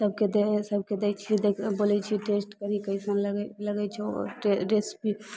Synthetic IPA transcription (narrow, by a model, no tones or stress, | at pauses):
səb̚ked̪esəb̚ked̪ɛt͡ʃʰid̪ekʰbolɛt͡ʃʰiʈesʈkəɾikəjsənləɡləɡɛt͡ʃʰɛʈeɾespi